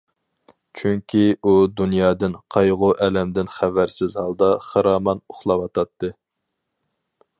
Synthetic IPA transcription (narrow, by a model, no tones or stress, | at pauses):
t͡ʃʰyŋkʲʰiud̪unjɑːd̪ɨnqʰɑjʁʊʔɛlɛmd̪ɪnχævæɾsɪzhɑlˠd̪ɑχɑɾɑːmɑnoχlˠɑwɑt̪ʰɑt̪ʰːɨ